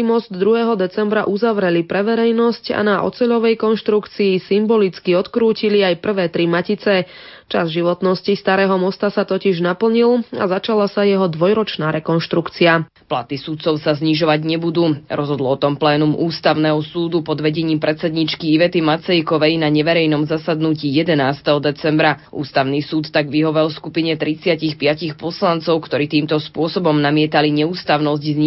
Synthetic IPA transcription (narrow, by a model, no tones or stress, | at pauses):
imɔzd̪ːɾuɦɛːɦɔd̪ɛt͡sɛmbɾaʔuzaʋɾɛlipɾɛʋɛɾɛjnɔsca̰naʔɔ̰t͡sɛʎɔʋɛjkɔnʃt̪ɾukt͡siːsimbɔlit͡skiɔt̪kɾuːciliajpr̩ʋɛːt̪ɾimacit͡sɛt͡ʃa̰zʒiʋɔt̪nɔscist̪aɾɛːɦɔmɔst̪asat̪ɔciʒnapl̩ɲila̰zat͡ʃalasajɛɦɔd̪ʋɔjɾɔt͡ʃnaːɾɛkɔnʃt̪ɾukt͡sia | pla̰t̪isut̪t͡sɔʊsazɲiʒɔʋaɟɲɛbud̪uːɾɔzɦɔd̪l̩ɔt̪ɔmplɛːnumʔuːst̪aʊnɛɦɔsuːd̪upɔd̪ʋɛɟɛɲiːmpɾʔɛt̪sɛd̪ɲit͡ʃkiiʋɛt̪imat͡sɛjkɔʋɛjnaɲɛʋɛɾɛjnɔmzasad̪nuciːjɛd̪ɛnaːst̪ɛɦɔd̪ɛt͡sɛmbɾaʔṵːst̪aʊniːsuːt̪ːaɡʋiɦɔʋɛlfskupiɲɛt̪ɾit͡sɪacixpɪacixpɔslant͡sɔʊkt̪ɔɾiːt̪iːmt̪ɔspʊɔsɔbɔmnamɪɛt̪aliɲɛuːst̪aʊnɔzɟzɲi